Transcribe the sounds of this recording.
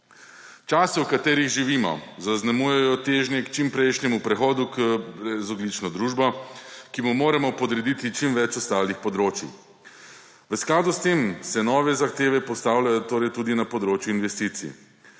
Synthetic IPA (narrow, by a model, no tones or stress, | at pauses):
t͡ʃaːsɛwkat̪eːɾiɣʒiʋiːmɔ̰zaznamujɛjɔt̪eːʒnjɛkt͡ʃimpɾɛjʃnɛmupɾɛxɔːd̪ukəbɾɛzɔd̪lit͡ʃnɔd̪ɾuːʒbɔkimumoːɾɛmɔpɔd̪ɾɛd̪it̪it͡ʃimʋɛt͡ʃɔst̪aːlixpɔd̪ɾoːt͡ʃjḭ | ʋəsklaːd̪ust̪emsɛnɔːʋɛzaxt̪eːʋɛpɔst̪aːwlajɔt̪oːɾɛjt̪ud̪inapɔd̪ɾoːt͡ʃjuinʋɛst̪iːt̪sḭ